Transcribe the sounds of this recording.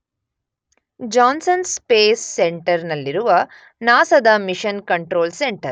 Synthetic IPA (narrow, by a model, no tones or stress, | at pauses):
d͡ʒaːnsɐnspeːsːeɳʈɐɾnɐlːiɾuʋɐ | naːsɐd̪ɐmiʂɐnkɐɳʈɾo̞ːlseɳʈɐɾ